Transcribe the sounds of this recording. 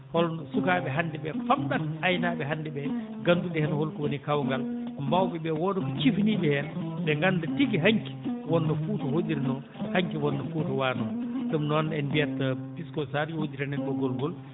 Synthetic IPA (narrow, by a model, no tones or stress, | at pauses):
hɔlɔsukaːɓɛɦandɛɓɛfamɗaajnaɓɛɦandɛbɛ | ɡandudɛhɛnhɔlkɔwonikawŋɡalkɔmbawɓɛbɛwɔːdɔkɔt͡ʃifniɓɛhɛnbɛŋɡandatiɡiɦaɲki̥wɔnːɔfuːtɔhodiɾnɔ | haŋkiwɔnːɔfutɔwaːnɔɗumnɔnɛnbijatːapiskɔsaɾjɔhod͡ʒiɾanɛnɗɔɡɔlɡɔl